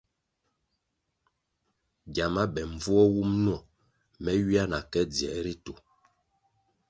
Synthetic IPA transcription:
ɟja˨ma˦bɛ˨ɱ˨vu˦ɔ˦wu˦mnu˦ɔ˦˨ | mɛ˦ɥi˦a˦na˨kɛ˦d͡zɛ˨ʔɾi˦tu˨

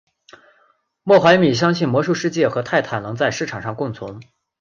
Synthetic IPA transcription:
mwɔ˥˩xwa˧˥ɪmi˨˩ɕ̬jɑ˥ŋɕi˥˩nmwɔ˧˥ʂu˥˧ʂɻ̩˥˧t͡ɕjɛ˥˩xɤ˧˥t̪ʰa˥˩ɪt̪ʰa˥˩nnɤ˧˥ŋt͡sa˥˧ɪʂɻ̩˥˩ʈ͡ʂʰɑ˨˩ŋʂɑ˥˧ŋkʊ˥˩ŋt͡sʰʊ˧˥ŋ

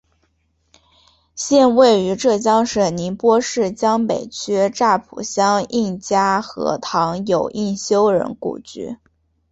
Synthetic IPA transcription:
ɕjɛ˥˧nwe˥˩ɪy˧˥ʈ͡ʂɤ˥˩t͡ɕjɑ˥ŋʂə˨˩ni˧˥npwɔ˥ʂɻ̩˥˩t͡ɕjɑ˥ŋpe˨˩ɪt͡ɕʰy˥ʈ͡ʂa˥˩pʰṵ˨˩ɕjɑ˥ŋi˥˩nt͡ɕja˥xɤ̰˧˥t̪ʰɑ˧˥ŋjo˨˩ʊʔi˥˩nɕjo˥ʊɻə̰˧˥nkṵ˨˩t͡ɕy̰˥˩

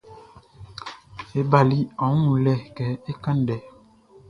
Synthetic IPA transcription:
e˦ba˨li˦ɔ̃˨˦ŋu˨lɛ˦˨kɛ˨˦e˦ka˦ndɛ˨˦

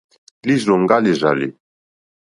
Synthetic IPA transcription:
li˦zɾo˨ŋɡa˦li˨ʒalḭ˨

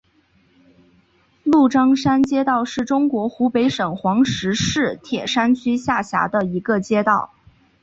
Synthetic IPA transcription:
lu˥˩ʈ͡ʂɑ˥ŋʂa˥nt͡ɕjɛ˥t̪ɑ˥˧ʊʂɻ̩˥˩ʈ͡ʂʊ˥ŋkwɔ˧˥xu˧˥pe˧˥ɪʂɤ˨˩ŋxwɑ˧˥ŋʂɻ̩˧˥ʂɻ̩˥˩t̪ʰjɛ˨˩ʂa˥nt͡ɕʰy˥ɕja˥˩ɕja̰˧˥d̪ə˧i˧˥ɡə˧t͡ɕjɛ˥t̪ɑ˥˩ʊ

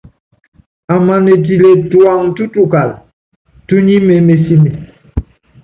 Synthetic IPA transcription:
a˨ma˨ne˨ti˨le˨twa˨ŋtu˦tu˨ka˨l | tu˦ɲi˦me˨˦me˨si˦mi˨

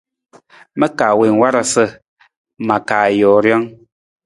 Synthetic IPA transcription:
mɛ˦kaː˨we˨ŋ˨wa˦ɾa˨sə˦˨ | ma˨kaː˨jɔː˨ɾjɔ˦ŋ

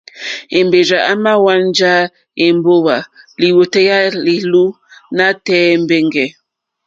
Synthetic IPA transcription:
e˨mbe˨ɾa˨ʔa˦ma˦wa˦nn˦d͡ʒa˦ | je˨m˦bo˦wa˨li˨wo˨tɛ˦ja˦li˨lu˦ | na˦tɛː˦˨m˦be˦ŋɡɛ˨

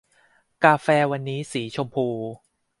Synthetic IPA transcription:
kaː˧fɛː˧wa˧nːiː˦˥siː˩˦t͡ɕʰo˧mpʰuː˧

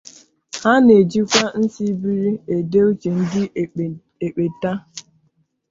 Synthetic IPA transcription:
ha˦ne˨d͡ʒi˦kʷa˦n̩˦si˦bi˦ɾi˦e˨de˦u˦t͡ʃe˨n̩˦dɪ˦ | e˨k͡pe˨ta˦

